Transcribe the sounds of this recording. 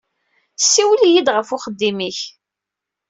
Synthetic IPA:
sːiwəljid̪ʁəfʊχəd̪ːimiç

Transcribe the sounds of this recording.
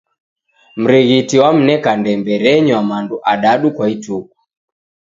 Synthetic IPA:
m̩ɾiɣitiwam̩nɛkandɛmbɛɾɛɲwamanduʔaɗaɗukwaituku̥

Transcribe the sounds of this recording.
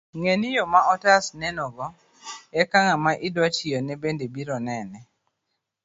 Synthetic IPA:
ŋenijɔmaʔɔtasnɛnɔɡɔ | ɛkaŋamaʔɪdwatiɔnɛbendebiɾɔnɛnɛ

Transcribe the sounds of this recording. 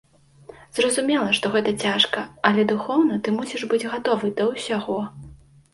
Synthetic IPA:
zrɐzumʲɛlˠɐʂt̪ɔɣɛt̪ɐt͡sʲaʂkɐɐlʲɛd̪uxɔwnɐt̪ɨmusʲiʐbɨd͡zʲɣat̪ɔvɨd̪ɐwsʲaɣɔ

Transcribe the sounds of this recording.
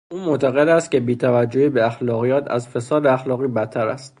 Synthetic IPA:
ʔuːmoʔt̪ʰæɣe̞d̪æst̪̚cʰe̞biːt̪ʰævæd͡ʒːo̞hibeæxlɒːɣijæːt̪ʰæ̰zfe̞sɒːd̪eæxlɒːɣiːbæt̪ʰːæɾæ̰st̪

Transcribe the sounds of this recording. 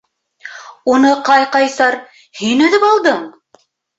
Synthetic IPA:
unɤqɑjqɑjsɑɾ | hinɵ̆ðɘpɑlˠd̪ɤɴ

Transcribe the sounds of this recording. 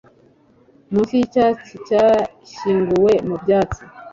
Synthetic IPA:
musicat͡sica | ʃiːŋɡuwemubjaːt͡si

